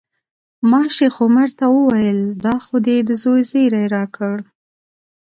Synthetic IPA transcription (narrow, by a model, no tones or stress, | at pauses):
mɑʃexomaɾt̪awəwajəld̪ɑxod̪ed̪əzojzejɾajɾɑkʰəɽ